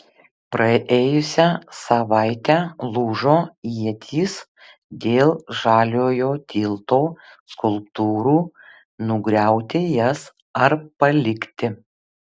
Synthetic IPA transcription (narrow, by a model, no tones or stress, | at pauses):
pɾɐʔeːjʊsʲæsɐʋɑɪt̪ʲæːlˠuːʒoːiɛt̪ʲʰiːs | d̪ʲeːlˠʒɑːlʲoːjoːt̪ʲiːlˠt̪oːskʊlˠpt̪uːɾuː | nʊɡɾʲæˑʊt̪ʲɪjɛs | ɐɾpɐlʲɪkʲt̪ʲɪ